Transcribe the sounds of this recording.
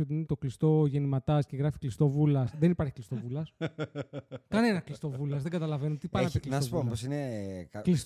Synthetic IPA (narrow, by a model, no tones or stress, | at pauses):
ot̪iinet̪o̞klist̪o̞ʝe̞nimɐt̪ɐsceɣɾɐfi̥klist̪o̞vulɐsðenipɐɾçi̥klist̪o̞vulɐs | kɐne̞nɐklist̪o̞vulɐzðe̞ŋɡɐt̪ɐlɐve̞not̪ipɐɾnɐpikliɐsopoposineklis